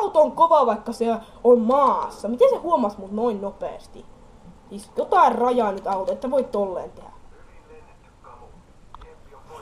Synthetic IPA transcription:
ɑut̪oŋkoʋɑˑʋɑikːɑse | ommɑːsːɑmit̪esehuomɑsmut̪noinnopḛˑːst̪ḭ | sisjot̪ɑirrɑjɑˑːnyt̪ɑut̪ɑet̪ːæʋoit̪ːolːḛːnt̪ehæ̰

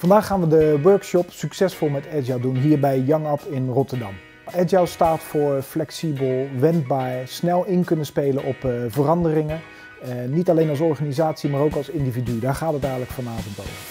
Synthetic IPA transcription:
vɑndaːχːaːnʋədəʋøɹkʃɔpsyksɛsfɔlˠmɛtɛd͡ʒadunɦiːɹbɛjjɑŋɑpɪnrɔtəɹdɑ̰m | ɛd͡ʒawstaːtfʊːɹflɛksibəlˠʋɛnt̚baːɹsnɛlˠɪnkɵnəspejlənʔɔpvərɑndərɪŋə | nitɑlejnɑlˠsɔɹχaːnizaːtsimaːɹowkɑlˠsɪndividydaːɹχaːtɦətɛjχələkfɑnaːvɔnto̰wvəɹ

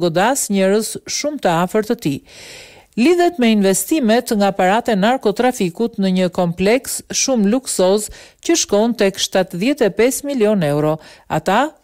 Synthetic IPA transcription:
ɡɔd̪asɲɛɾəsʃumt̪əafəɾt̪ət̪i | liðɛt̪mɛinvɛst̪imɛt̪ŋɡapaɾat̪ɛnaɾkɔt̪ɾafikut̪nəɲəkɔmplɛksʃumluksɔzcəʃkɔnt̪ɛkʃt̪at̪ðjɛt̪ɛpɛsmiljɔnɛwɾɔa̰t̪a

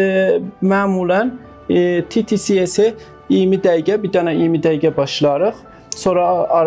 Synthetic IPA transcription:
mæːmulæn | t̪ʰit̪ʰisiese | imid̪æjɟɛbid̪ɑnaimid̪æjɡɛbɑʃlɑɾɯχ | soɾɑɑɾ

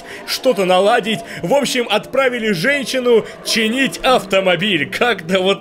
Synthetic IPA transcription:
ʂt̪o̞t̪ənɐlˠadʲɪtʲvo̞pɕːɪmɐt̪pɾavʲɪlʲɪʐɛnʲɕːɪnʊ | t͡ɕɪnʲitʲɐft̪əmɐbʲilʲkʰakt̪əvot̪

